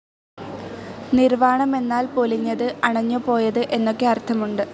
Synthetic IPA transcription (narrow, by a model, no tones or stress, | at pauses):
nirʋaːɳɐme̞nːaːlpoliɲːɐðɨʔɐɳɐɲːupo̞ːjɐðɨʔe̞nːo̞kːeɐrt̪ʰɐmuɳɖɨ